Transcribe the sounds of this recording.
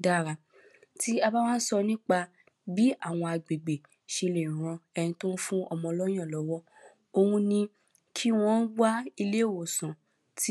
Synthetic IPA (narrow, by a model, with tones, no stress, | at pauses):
da˦˨ɾa˧ | ti˦a˧ba˦w̃ã˦n̩˦sɔ˧nĩ˦k͡pa˧ | bi˨˦a˦˨w̃ɔ̃˧a˨ɡ͡be˨ɡ͡be˨ | ʃe˧lẽ˨ɾ̃ɔ̃˨˧ɛ˧nĩ˧to˦n̩˦fũ˦ɔ˧mɔ̃˧lɔ˦j̃ã˦˨lɔ˨˦wɔ˦ | o˧hũ˧nĩ˧ | kʰi˦w̃ɔ̃˦n̩˦wa˦i˧le˦˨wo˨sã˨ | ti˦